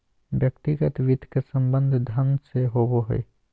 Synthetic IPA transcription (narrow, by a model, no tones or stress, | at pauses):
ʋjəkt̪ɪɡət̪ʋɪd̪ʱkesə̃mbə̃nd̪ʱd̪ʱɐnʱseɦoːboɦɛ̰ː